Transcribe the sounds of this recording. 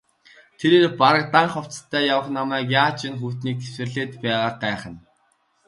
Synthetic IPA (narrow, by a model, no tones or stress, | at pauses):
t̪ʰeɾeːrpaɾə̆k̚t̪aɴχɔw̥t͡st̪ʰːæːjawə̆χnamæːkjaːt͡ɕinxuːt̪niːkxeswɘ̆rɮeːt̪pæːʁaːɢæːχə̆n